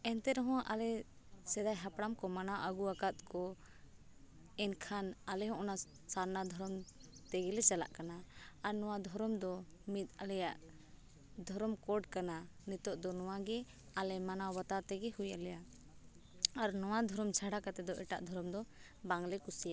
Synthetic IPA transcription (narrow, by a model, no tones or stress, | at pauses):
ɛnt̪ɛɾɔɦɔ̃ʔalɛ | sɛd̪ajɦapɽamkɔmanawʔaɡuakat̪̚kɔ | ɛnkʰanalɛɦɔ̃ʔɔna | saɾnad̪ʱɔɾɔmt̪ɛɡɛlɛt͡ʃala̰ʔkanaːɾnɔ̃wad̪ʱɔɾɔmd̪ɔmit̪̚ˀalɛjaʔ | d̪ʱɔɾɔmkɔɖkananit̪ɔʔd̪ɔnɔwaɡɛ | alɛmanawbat̪at̪ɛɡɛhujalɛja | aɾnɔwad̪ʱɔɾɔmt͡ʃʰaɽakat̪ɛd̪ɔʔɛʈa̰ʔd̪ʱɔɾɔmd̪ɔ | baŋlɛkusija